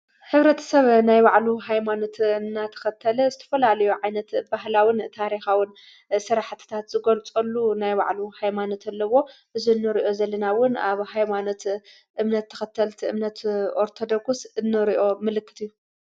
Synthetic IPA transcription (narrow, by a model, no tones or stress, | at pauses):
ħɨβɾɐt̪ʰɐ̥sɐβnajbaʕluɦajmano̞t̪ɨnːat̪ʰɐ̥xɐt̪ʰːɐlɐzɨt̪ʰɐ̥fɐlalɐjuʕajnɐt̪baɦlawɪnt̪ʰaɾixawɪn | sɨɾaħt̪ʰɨ̥t̪ʰat̪z̥ɨɡɐlt͡sʼɐlːunajba̰ʕluhajmano̞t̪ʰalːɐwo̞ʔɨziɨnːɨɾiʔo̞zɐlːɐnawʊna̰βhajmano̞t̪ | ʔɨmnɐt̪ʰːɐ̥xɐt̪ʰːɐlt̪ʰiɨ̰mnɐt̪ʔoɾt̪ʰod̪oɡsɨnːɨɾiʔo̞mɨlɨkːɨ̥t̪ijːu